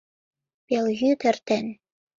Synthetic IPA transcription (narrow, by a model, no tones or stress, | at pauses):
pelɣʲyt̪ɘ̆rt̪ĕn